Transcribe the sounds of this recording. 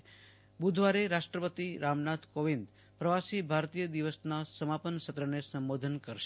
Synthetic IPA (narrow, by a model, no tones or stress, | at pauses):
bud̪ʱʋaɾeɾaʃʈɾəpət̪iɾamnat̪ʰkoʋind̪ | pɾəʋasibʱaɾt̪ijəd̪iʋəsnasəmapənʃət̪ɾənesəmbod̪ʱənkəɾʃe̥